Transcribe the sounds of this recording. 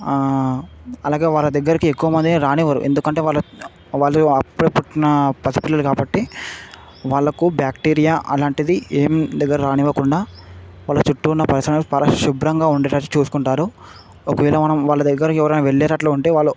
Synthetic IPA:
ɐlaːɡe̞ːʋaːɭːɐd̪ɐɡːɐɾikiekːuʋɐmɐnd̪ieɾaːnɛʋɐɾṵʔe̞̰nd̪ukɐɳʈe̞ːʋaːɭːɐ | ʋaːɭːɐɐpːuɽɐpuʈːinɐpɐt̪ipilːɐlukaːbɐʈːi | ʋaːɭːɐkubjaːkʈiːɾijaːʔɐ̰laːɳʈid̪ieːmd̪ɐɡːɐɾɐɾaːnɛʋɐkuɳɖaːʋaːɭːɐt͡ʃuʈːuunːɐpɐɾɐsɾɐɳpɐɾɐʃubɾɐŋɡaːuɳɖɛːʈait͡ʃuːsu̥kuɳʈaːɾo | okɐʋiːlɐmɐnɐmʋaːɭːɐd̪ɐɡːɐɾikiɛʋɐɾɐnaːʋeɭːɛːɾɐʈloːuɳʈe̞ːʋaːɭːu

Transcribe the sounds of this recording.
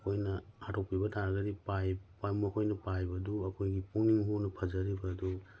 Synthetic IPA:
kʰojnɐhatʰɔpibɐtʰaɾɡɐɾipajpajmɔkʰojnɐpajbɐduɐkʰojɡipuŋniŋɦunɐpʰɐzɐɾibɐdu

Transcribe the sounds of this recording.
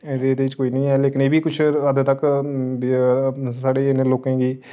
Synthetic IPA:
ed̪eːd̪eːʋɪt͡ʃkoːiːnĩːɛːleːkɪneːbiːkʊt͡ʃʰəd̪t̪əkː | saːɖeːneːloːkẽːɡiː

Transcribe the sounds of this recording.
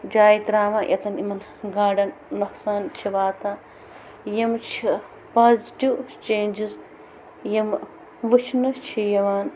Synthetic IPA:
d͡ʒaːjt̪ɾaːʋãːʔɐ̰t̪ɐnimɐn | ɡaːɖɐnmɐksaːnt͡ʃʰiʋaːt̪ãː | jɐmt͡ʃʰi | paːzʈiwt͡ʃeːnd͡ʒiz | jɐm | ʋɨt͡ʃʰnɨt͡ʃʰijɐʋaːn

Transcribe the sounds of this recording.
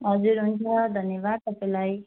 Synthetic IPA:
ɦʌd͡zuɾɦunt͡sʰʌd̪ʱʌnjebad̪̚t̪ʌpãj̃laj

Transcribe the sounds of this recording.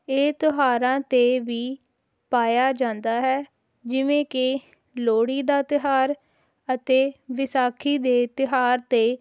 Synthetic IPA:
eːt̪ʊɦaːɾãːt̪eːʋiː | paːjaːd͡ʒãːnd̪aːɦɛː | d͡ʒɪʋẽːke | loːɽiːd̪aːt̪ɪɦaːɾ | ət̪eːʋɪsaːkʰiːd̪eːt̪ɪɦaːɾt̪eː

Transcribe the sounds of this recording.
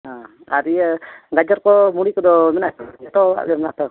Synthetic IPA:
ã | aɾiɡad͡ʒɔɾkɔmuɽikɔd̪ɔmɛnat̪ɛt̪ɔa̰lɛmɛnat̪ɔ

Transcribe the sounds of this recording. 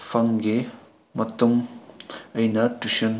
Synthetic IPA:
pʰɐŋɡi | mɐt̪uŋ | ɐjnɐtusɐn

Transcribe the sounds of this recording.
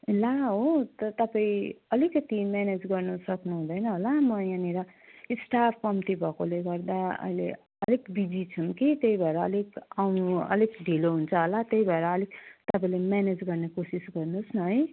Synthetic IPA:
laɦot̪ʌt̪ʌpaĩʌlikːʌt̪imjaned͡zɡʌrnusʌknuɦũd̪ʌjnʌɦolamʌjãniɾʌ | isʈap̚ʰkʌmit̪ibʱʌkoleɡʌrd̪aʌ̰jle | ʌlekbid͡zit͡sʰuŋkit̪eibʱʌeɾʌːlekawnuʌ̰lekɖʱiloɦunt͡sʰʌɦolat̪jeɦibʱʌeɾʌːlikt̪ʌpãĩlemjaned͡zɡʌrnekosisɡʌrnusnʌɦʌj

